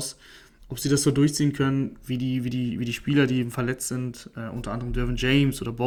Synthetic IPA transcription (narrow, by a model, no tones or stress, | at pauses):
s | ʔɔpz̥iːdasz̥oːdʊɐçt͡siːənkʰœnənviːdiːviːdiːviːdiːʃpiːlɐdiːeːbm̩fɛɐlɛt͡stz̥ɪntʔɛʔʊ̰ntɐʔandəʁ̞əmdœɐvənd͡ʒɛɪmsʔo̰ːdɐbɔ